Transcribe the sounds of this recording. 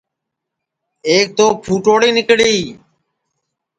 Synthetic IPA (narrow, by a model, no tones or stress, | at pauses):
eːk̚t̪oːpʰuːʈoːɽiːnɪkɽiː